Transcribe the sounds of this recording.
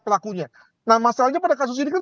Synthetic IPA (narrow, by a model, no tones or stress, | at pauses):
pəlakuɲa | nahmasalaɲapadakas̬ʊs̬inika